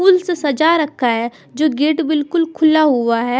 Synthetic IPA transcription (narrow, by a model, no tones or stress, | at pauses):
uːlsesɐd͡ʒaɾɐkʰːaɦɛ | d͡ʒoːɡeːʈbɪlkʊlkʰʊlaɦʊaɦɛː